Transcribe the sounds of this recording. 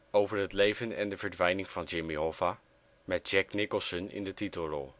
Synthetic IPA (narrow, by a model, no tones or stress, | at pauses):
owvəɹɦətlejvənɛ̰ndəvəɹdʋɛjnɪŋv̥ɑnd͡ʒɪmiɦov̥a | mɛt̚d͡ʒɛknɪkəlˠsənɪ̰ndətitəlˠrɔlˠ